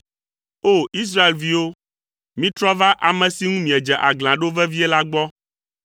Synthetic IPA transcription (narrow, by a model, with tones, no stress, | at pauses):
o˦˨i˦s̬ɾa˦e˨lvi˦wo˦ | mĩ˦t̪ɾɔ˦va˦ʔa˨mɛ̃˨si˦ŋũ˦mĩ˨ɛ˨d͡ʒɛ˨ʔa˨ɡl̃ã˨ɖo˦vɛ˦vi˦ɛ˦la˦ɡ͡bɔ˦